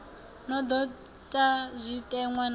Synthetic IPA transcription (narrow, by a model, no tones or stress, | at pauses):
nɔd̪ɔ | tʼazʷitʼɛŋwan